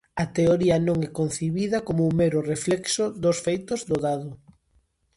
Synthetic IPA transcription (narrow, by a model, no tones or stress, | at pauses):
ɐt̪eoɾiɐnõŋɛkon̟θiβiðɐkomoumeɾʊreflɛksʊd̪osfejt̪ʊzd̪ʊðaðʊ